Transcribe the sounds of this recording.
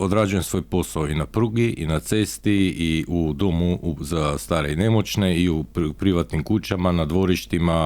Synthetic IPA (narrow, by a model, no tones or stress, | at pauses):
od̪ɾad͡ʒuje̞msʋo̞jpo̞saoinapɾuɡiʔinat̪se̞st̪iiud̪o̞muuzast̪aːɾeine̞mo̞t͡ʃne̞iuppɾiʋat̪nimkut͡ʃamanad̪ʋo̞ɾiʃt̪ima